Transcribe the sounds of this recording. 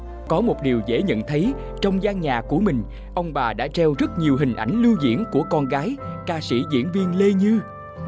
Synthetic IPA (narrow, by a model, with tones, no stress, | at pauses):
kɔ˨˦mo˨˩t̚ɗi˨˩wzḛ˧˥ɲə̰˧˨nt̪ʰə˨˦j | t͡ɕɔ˧wŋ͡mzaː˧ŋɲaː˨˩ku˧˩əmï˨˩ŋ̟ | ʔə˧wŋ͡mɓaː˨˩ɗa̰ː˧˥t͡ɕɛ˧wzə˦˥t̚ɲi˨˩əwɦï˨˩ŋ̟ʔa˧˩jŋ̟lɨ˧wzḭ˧˥ənku˧˩əkɔ˧nɣaː˨˦jkaː˧sḭ˧˩zḭ˧˥ənvi˧ənle˧ɲɨ˧